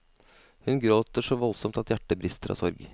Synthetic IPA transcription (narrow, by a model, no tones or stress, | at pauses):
hʉnɡɾoːt̪əʂɔʋɔlsɔmt̪ɑt̪jæʈːəbɾɪst̪əɾʔɑ̰ːsɔɾɡ